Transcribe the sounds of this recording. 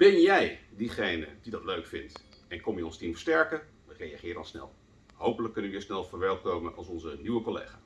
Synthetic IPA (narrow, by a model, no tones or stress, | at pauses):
b̥ɛnjɛjdiχejnə̰didɑtløɥkfɪnt | ɛnkɔmjəɔnstimfəɹstɛɹkə | ʋərejaχɪːrəənˠsnɛ̰lˠ | ɦowpələkːɵnəəʋɪːɹsnɛlˠvəːɹʋɛɹlˠt̚kowmənɑ̰lˠsɔnzənyʋəkolḛjχaː